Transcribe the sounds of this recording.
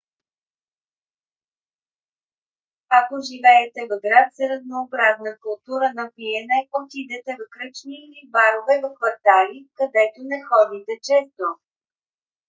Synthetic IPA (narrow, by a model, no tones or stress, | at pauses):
akoʒivɛɛt̪ɛvəɡɾat̪səɾəznoːbɾaznəkulˠt̪uɾənɐpiɛnɛot̪id̪ɛt̪ɛvɐkɾət͡ʃniːlibaɾovɛvɐkvɐɾt̪alikɐd̪ɛt̪onɛxɔɾnit̪ɛt͡ʃɛst̪o